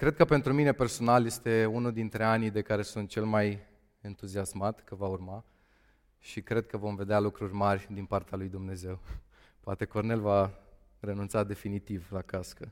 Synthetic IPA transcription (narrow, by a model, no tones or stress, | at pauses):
kɾe̞d̪̚kəpe̞nt̪ɾumine̞pe̞rso̞nalje̞st̪e̞unuld̪int̪ɾe̞anijd̪e̞kaɾe̞sunt̪̚t͡ʃe̞lmaj | ent̪uziasmat̪kəvaurma | ʃikɾe̞d̪̚kəvo̞mve̞d̪ealukɾurʲmarʲd̪inpart̪ealujd̪umne̞ze̞w | poat̪e̞ko̞rne̞lva | re̞nunt̪sad̪e̞finit̪ivlakaskə